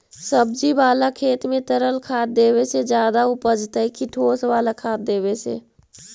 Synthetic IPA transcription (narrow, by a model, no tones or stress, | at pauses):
səb̚d͡ʒibaːlakʰeːt̪mẽt̪əɾəlkʰaːt̪̚d̪eːbesed͡ʒjaːd̪aʊpəd͡ʒt̪əɦikʰɪʈʰoːsʋaːlakʰaːt̪̚d̪eːβesḛ